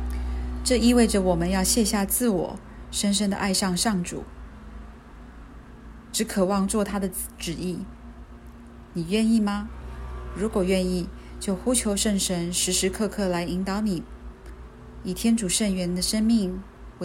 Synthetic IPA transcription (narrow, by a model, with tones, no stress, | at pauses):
ʈ͡ʂɤ˥˧i˥˧we˥˩ɪʈ͡ʂə˨˩wɔ˨˩mə˦njɑ˥˧ʊɕjɛ˥˧ɕja˥˧t͡sɹ̩˥˩wɔ̰˨˩˦ | ʂə˥nʂ̬ə˥nd̪ə̰˨ʔa˥˧ɪʂɑ˥˧ŋʂɑ˥˩ŋʈ͡ʂṵ˨˩˦ | ʈ͡ʂɻ̩˧˥kʰɤ˨˩wɑ˥˧ŋt͡swɔ˥˩t̪ʰa˥d̪ə˨ʈ͡ʂɻ̩˨˩i˥˩ | ni˨˩ɥɛ˥˧ni˥˩mɐ˨ | ɻu˧˥kwɔ˨˩ɥɛ˥˧ni˥˩t͡ɕjo˥˩ʊxu˥t͡ɕʰjo˧˥ʊʂə˥˩ŋʂə˧˥nʂɻ̩˧˥ʂɻ̩˧˥kʰɤ˥˧kʰɤ˥˩la˧˥ɪi˧˥ŋt̪ɑ˧˥ʊni˨˩˦ | i˨˩t̪ʰjɛ˥nʈ͡ʂu˨˩ʂə˥˩nɥɛ˧˥nd̪ə˨ʂə˥nmi˥˩ŋ | w